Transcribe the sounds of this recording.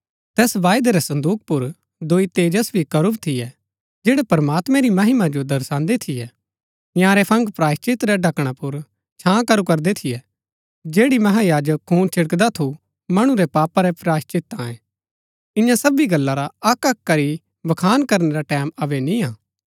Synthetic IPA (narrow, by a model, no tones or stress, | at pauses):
t̪ɛːsʋaːjd̪eɾɛsɐ̃nd̪uːk̚pʊɾ | d̪oːit̪eːd͡ʒəsbʱikɐɾʊbt̪ʰɪjɛ | d͡ʒeːɽɛpɐɾmaːt̪mɛ̃ɾimɐɦɪmad͡ʒod̪ɐɾsãːnd̪et̪ʰɪjɛ | jãːɾɛpʰɐ̃ŋɡpɾaːst͡ʃɪt̪ɾɛɖɐkɽ̃apʊɾ | t͡ʃʰãːkɐɾukɐɾd̪et̪ʰɪjɛ | d͡ʒeːɽimɐɦajaːd͡ʒəkʰːuːnt͡ʃʰɪɽəkd̪at̪ʰu | mɐɽ̃ũɾɛpaːpaɾɛpɾaːst͡ʃɪt̪ːãɛ̃ | ɪ̃jãsɐbiɡɐlːaɾaɐkɐkːɐɾi | bɐkʰaːnkɐɾneɾaʈɛːmɐʋɛnĩãː